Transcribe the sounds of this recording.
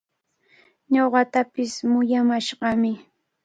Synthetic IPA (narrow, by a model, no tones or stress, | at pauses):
ɲoɢɑt̪apɪsmʊjamaʃɢɑmɪ